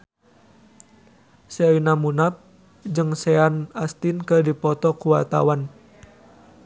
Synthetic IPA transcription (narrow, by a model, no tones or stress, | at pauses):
seinamunap̚ | d͡ʒɨŋsɛanast̪inkədipɔt̪ɔkuwart̪a̰wan